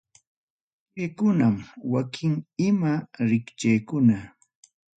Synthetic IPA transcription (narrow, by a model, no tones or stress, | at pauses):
pekʊnamwakʰɪŋɪmaɾɪkt͡ʃajkʊna